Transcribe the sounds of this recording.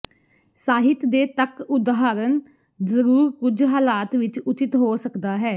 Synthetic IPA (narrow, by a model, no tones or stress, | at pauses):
saːɦɪt̪d̪eːt̪əkʊd̪ɦaːɾən | zəɾuːɾkʊd͡ʒɦaːlaːt̪ʋɪt͡ʃʊt͡ʃɪt̪ɦoːsəkd̪aːɦɛː